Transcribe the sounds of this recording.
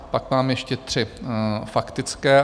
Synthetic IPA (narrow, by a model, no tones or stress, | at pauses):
pakmaːmjɛʃcɛt̪r̝̥ɪfakt̪ɪt͡skɛː